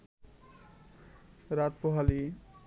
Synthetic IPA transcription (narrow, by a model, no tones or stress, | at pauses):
ɾat̪̚pɔɦali